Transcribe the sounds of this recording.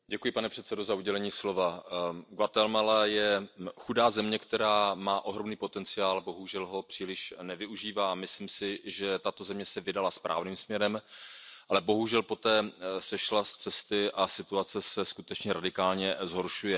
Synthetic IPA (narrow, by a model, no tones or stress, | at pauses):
ɟɛkujɪpanɛpr̥ɛt̪sɛdo̞zauɟɛlɛɲiːslo̞vaɡvat̪ɛlmalajɛxudaːzɛmɲɛkt̪ɛɾaːmaːʔo̞ɦɾo̞mniːpo̞t̪ɛnt͡sɪaːlbo̞ɦuʒɛlɦo̞pr̥iːlɪʃnɛvɪuʒiːvaːmɪsliːmsɪʒɛt̪at̪o̞zɛmɲɛsɛvɪdalaspɾʔa̰ːvniːmsmɲɛɾɛmʔalɛbo̞ɦuʒɛlpo̞t̪ɛːsɛʃlast͡sɛst̪ɪʔasɪt̪uat͡sɛsɛskut̪ɛt͡ʃɲɛɾadɪkaːlɲɛzɦo̞ɾʃujɛ